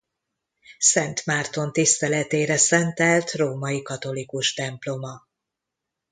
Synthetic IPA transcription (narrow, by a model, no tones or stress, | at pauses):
sɛnt̪maːrt̪o̞nt̪ist̪ɛlɛt̪eːɾɛsɛnt̪ɛlt̪roːmɒjikɒt̪o̞likuʃt̪ɛmplo̞mɒ